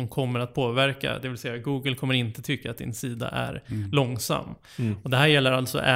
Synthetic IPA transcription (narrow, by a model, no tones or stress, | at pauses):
ɔmkʰɔmːəɾat̪̚pʰoːvæɾka̰d̪ɛvɪlsɛjːaɡuːɡəlkʰɔmːəɾɪnt̪ət̪ʰʏkːaːt̪̚d̪ɪ̰nsiːd̪a̰ʔæ̰ɾlɔŋsa̰mː | ɔd̪ɛɦæːɾjɛlːəɾalt̪sɔ̰ʔɛ